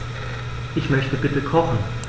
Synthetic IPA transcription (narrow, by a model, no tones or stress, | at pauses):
ʔɪçmœçtəbɪtəkʰɔχn̩